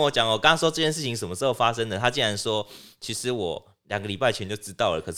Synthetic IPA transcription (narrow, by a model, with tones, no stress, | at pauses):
wɔ˦˥t͡ɕjɑ˨˩ŋ˨˩kɑ˥ŋɑ˦˥ŋʂwɔ˥ʈ͡ʂɤ˥˧˩t͡ɕjɛ˥˧nʂ̬ɻ̩˥˩t͡ɕʰi˧˦ŋʂə˨˩nməʂ̩˥˩xo˥˩ʊfa˦˥ʂə˦ŋd̪ə˨t̪ʰa˥t͡ɕi˥˩nɻa˧˦nʂwɔ˦˥t͡ɕʰi˧˥ʂɻ̩˧˦wɔ˨˩ | lja˨˩ŋɡə˦li˨˩pa˥˩ɪt͡ɕʰɛ˧˦nt͡ɕjo˥˩ʊʈ͡ʂɻ̩˦t̪ɑ˥˩ʊlə̰˩kʰɤ˨˩ʂ